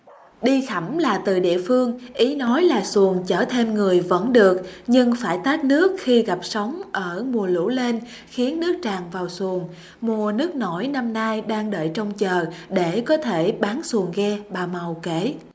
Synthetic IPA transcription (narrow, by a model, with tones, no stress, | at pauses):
ɗi˧xa˧˩mlaː˨˩t̪ɨ˨˩ɗḭ˧˨əfɨ˧əŋʔi˨˦nɔ˨˦jlaː˨˩su˨˩əŋt͡ɕəː˧˩t̪ʰe˧mŋɨ˨˩əjvə̰˧˥nɗɨ˨˩ək̚ɲɨ˧ŋfaː˧˩jt̪aː˦˥t̚nɨ˦˥ək̚xi˧ɣa˨˩p̚sə˨˦wŋ͡mʔəː˧˩mu˨˩əlṵ˧˥le˧n | xi˨˦ənːɨ˦˥ək̚t͡ɕaː˨˩ŋvaː˨˩wsu˨˩əŋ | mu˨˩ənɨ˦˥ək̚no˧˩jna˧mnaː˧jɗaː˧ŋɗə̰ː˧˨jt͡ɕɔ˧wŋ͡mt͡ɕəː˨˩ɗe˧˩kɔ˨˦t̪ʰe˧˩ɓaː˨˦nsu˨˩əŋɣɛ˧ɓaː˨˩ma˨˩wke˧˩